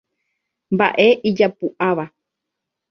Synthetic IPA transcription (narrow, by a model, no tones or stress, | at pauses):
mba̰ʔe̞ʔid͡ʒapuʔaʋa